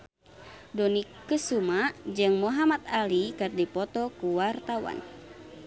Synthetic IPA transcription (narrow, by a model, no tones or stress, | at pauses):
dɔnikːəsumad͡ʒɨŋmuɦamat̪̚alikɨrdipɔt̪ɔkuwart̪awa̰n